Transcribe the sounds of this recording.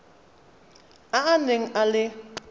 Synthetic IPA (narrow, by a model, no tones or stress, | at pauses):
aaneŋ̩ʔalɪ